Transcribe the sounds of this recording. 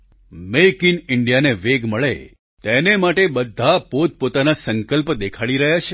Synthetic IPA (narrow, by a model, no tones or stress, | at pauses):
mekinɪɳɖijaneʋeɡməɭḛ | t̪enemaʈebəd̪ʱapod̪̚pot̪anasəŋkəlpd̪ekʰaɭiɾəɦjat͡ʃʰe